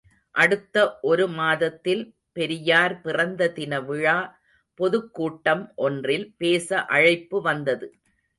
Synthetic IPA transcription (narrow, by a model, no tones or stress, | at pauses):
ʔɐɽɯt̪ːɐʔɔɾɯmaːðɐt̪ːɪl | pɛɾɪjaːɾpɪrɐnd̪ɐðɪnɐʋɪɻaː | pɔðɯkːuːʈːɐmʔɔndrɪlpeːsɐʔɐɻɐɪpːɯʋɐnd̪ɐðɯ